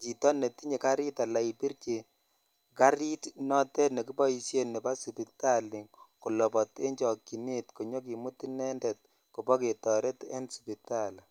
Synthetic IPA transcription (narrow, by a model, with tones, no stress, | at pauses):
t͡ʃi˨tɔ˦ne˨ti˦ɲe˨ka˦ɾi˦ta˨la˨i˨pi˦ɾke˨ | ka˦ɾi˦tnɔ˦tɛ˦ne˨ki˦bɔ˦i˨sje˦ne˨ba˦si˨pi˨ta˦li˨ŋku˨lɔ˨pɔ˨te˦ɲd͡ʒɔ˨ki˨ne˦tko˨ɲo˦k̬i˨mu˦ti˦nɛ˦ndɛ˨t̚ | ko˨bɔ˦ke˨tɔ˨ɾe˦tɛ̰˦nsi̥pi˨ta˦l